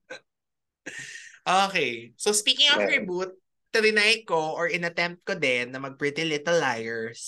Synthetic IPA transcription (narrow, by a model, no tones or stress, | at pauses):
ʔoːkejsospiːkɪŋɔfɪbut̪̚ː | ɪɾɪnaj̚koʔɔɹɪnɐt̪ɛmp̚t̪̚kod̪ɪnːɐmɐɡ̚pɹɪt̪ɪlɪt̪ɛlːajɛɹs